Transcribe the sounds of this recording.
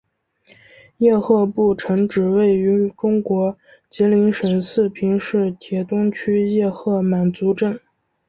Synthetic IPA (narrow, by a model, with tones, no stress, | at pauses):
jɛ˥˧xɤ˥˧pu˥˩ʈ͡ʂʰɤ˧˥ŋʈ͡ʂɻ̩˨˩we˥˩ɪy˧˥ʈ͡ʂʊ˥ŋkwɔ˧˥ | t͡ɕɛ˧˥li˧˥ŋʂə˨˩nsɹ̩˥˩pʰi˧˥ŋʂɻ̩˥˩t̪ʰjɛ˧˥t̪ʊ˥ŋt͡ɕʰy˥jɛ˥˧xɤ˥˩ma˨˩nt͡su˧˥ʈ͡ʂə˥˩n